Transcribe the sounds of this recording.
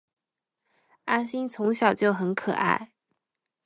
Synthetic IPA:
a˥nɕi˥nt͡sʰʊ˧˥ŋɕjɑ˨˩ʊt͡ɕjo˥˩ʊxə˧˥nkʰɤ̰˨˩ʔa̰˥˩ɪ

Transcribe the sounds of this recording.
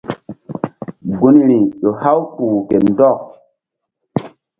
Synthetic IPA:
ɡu˦ni˦˨ɾi˨ɗo˨ha˦wpuː˨ke˨ndɔ˦˨k

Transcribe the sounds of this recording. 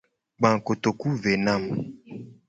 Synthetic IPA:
ɡ͡bã˨ŋ˨ko˨t̪o˨ku˦ve˨nã˦˨m

